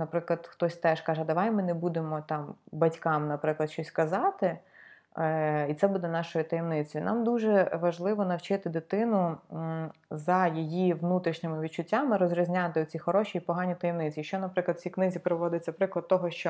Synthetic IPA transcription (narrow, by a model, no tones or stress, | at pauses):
nɐpɾɪklˠɐd̪xt̪ɔsʲt̪ɛʃkɑʒɛd̪ɐʋajmɪnebud̪emɔt̪ɑmbɐtʲkɑmnɐpɾɪklˠɐd̪ʃt͡ʃɔsʲkɐzɑt̪ɪ | it̪sɛbud̪ɛnɑʃɔjit̪ɐjɛmnɪt͡sʲɔjnɑmd̪uʒɛʋɐʒlˠɪʋɔnɐwt͡ʃɪt̪ɪd̪ɪt̪ɪnʊ | zɐjijiʋnut̪ɾʲiʃnʲɪmɪʋʲid̪t͡ʃʊtʲːamɪɾɔzʲɾʲizʲnʲat̪ɪʊt͡sʲixɔɾɔʃiːpɔɦɑnʲit̪ɐjɛmnɪt͡sʲiʃt͡ʃɔnɐpɾɪklˠɐd̪t͡sʲsʲiknɪzʲipɾɪʋɔd̪ɪt͡sʲɐpɾɪklˠɐd̪̚t̪ɔɦɔʃt͡ʃɔ